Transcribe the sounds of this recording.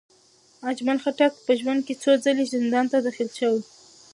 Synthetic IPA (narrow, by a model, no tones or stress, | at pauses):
ad͡ʒmalxaʈakpəʒwand̪̚ket͡sod͡zəlezɪnd̪ɑnt̪ad̪ɑxilʃəwi